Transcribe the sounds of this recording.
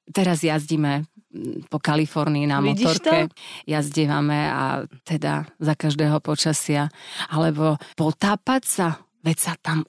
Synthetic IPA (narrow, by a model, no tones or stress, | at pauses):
t̪ɛɾazjazɟimɛ | pɔkalifɔɾniinamɔt̪ɔɾkɛjazɟɛʋamɛa̰t̪ɛd̪a̰zakaʒd̪ɛːɦɔpɔt͡ʃasɪaalɛbɔpɔt̪aːpacsa | ʋɛsat̪am